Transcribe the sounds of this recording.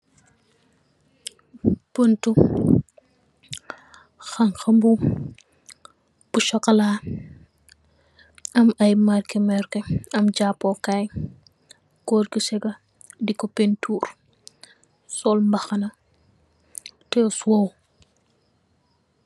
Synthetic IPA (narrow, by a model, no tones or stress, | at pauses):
pəntu | xɐŋxɐmbu | b̥uʃɔkːɐlaː | ɐmɐjmarkɛmɛɾkɛɐmd͡ʒapːɔkaj | kɔɾkusɛɡɐ | dikɔpentʰuːr | sɔlmbɐxɐnɐ | tɛswɔw